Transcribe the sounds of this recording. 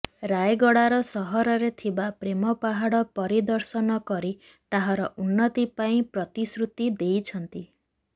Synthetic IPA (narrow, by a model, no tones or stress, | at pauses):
ɾajɡɔɽaɾɔsɔɦɔɾɔɾet̪ʰibapɾemɔpaɦaɽɔpɔɾid̪ɔɾsɔnɔkɔɾi | t̪aɦaɾɔʔunːɔt̪ipaĩpɾɔt̪isɾut̪id̪ejt͡ʃʰɔnt̪i